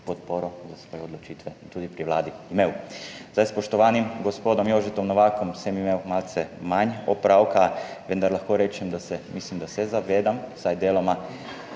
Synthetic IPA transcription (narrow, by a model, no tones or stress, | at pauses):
pot̪poɾozasʋoːjɛod̪lot͡ʃiːt̪ʋɛt̪uːd̪ipɾiʋla̰ːd̪iimeːwzd̪ajspoʃt̪oʋaːnimɡospoːd̪omjoʒɛt̪omnoʋaːkomsemimewmalt̪sɛmaɲopɾawkaʋɛnd̪aɾlaxkoɾeːt͡ʃɛmd̪asɛmislimd̪asɛzaʋeːd̪amsajd̪jeːloma